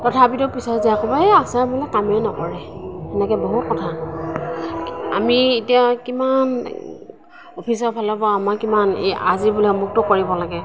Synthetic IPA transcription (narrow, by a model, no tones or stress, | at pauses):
tɔtʰapitʊpisɔziakɔbɔeasabulɛkamɛnɔkɔɹɛɛnɛkɛboɦut̚kɔtʰa | a̰mietijakiman | ɔpʰisɔbʱalɔbɔamakimanḛa̰zibulɔmuk̚tʊkoɹibɔlaɡɛ